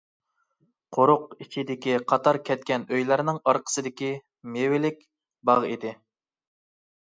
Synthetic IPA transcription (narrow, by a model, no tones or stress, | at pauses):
qʰoɾʊqit͡ʃʰid̪ɪkʲiqʰɑt̪ɑɾkʲʰɛt̪̚kʲɛnøjlæɾnɪŋɑɾqʰə̥sɨd̪ɪkʲi | mewɪlɪkʲ | bɑʁid̪ɪ